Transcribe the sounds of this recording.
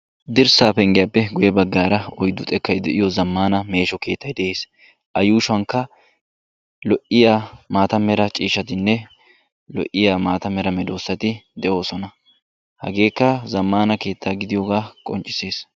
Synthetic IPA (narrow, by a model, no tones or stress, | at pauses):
d̪ɪɾsaːpɛŋɡɪjapːɛɡʊjɛbɐɡːaːɾɐɔjd̪ːʊt̪ʼɛkːɐjd̪ɛʔɪjɔzɐmːaːnɐme̞ːʃɔke̞ːt̪ʰːɐjd̪ɛʔe̞ːs | ʔɐjuːʃʊɐŋkːɐ | lɔʔɪjaːmaːt̪ɐmːɛɾɐt͡ʃʼiːʃɐt̪ɪnːɛ | lɔ̰ʔɪjaːmaːt̪ɐmːɛɾɐmɛd̪o̞ːsːɐt̪ɪd̪ɛʔo̞ːsɔnɐ | hɐ̰ɡe̞ːkːɐzɐmːaːnɐke̞ːt̪ːaːɡɪd̪ɪjɔɡaːkʼɔnt͡ʃʼːɪ̥se̞ːs